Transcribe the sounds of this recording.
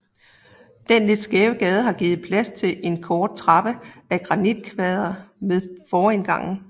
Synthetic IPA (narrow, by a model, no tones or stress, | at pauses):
d̥enle̝d̥sɡ̥ɛːʊəɡ̥ɛːð̞ˠəɦɑ̈ɡ̥iːð̞̩ˠpʰlæst͡sʰe̝lʔe̝nkʰɒːd̥̚t͡sʰʁɑ̈b̥əæɡ̥ʁɑ̈nid̥̚kʰʋɛð̞ˠɐmeðˠfɒːenɡ̥ɑ̈ŋ̰n̩